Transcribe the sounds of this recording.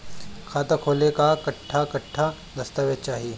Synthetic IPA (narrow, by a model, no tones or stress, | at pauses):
kʰaːt̪əkʰoːlekakɐʈʰːakɐʈʰːa | d̪ɐst̪aʋet͡ʃaːɦie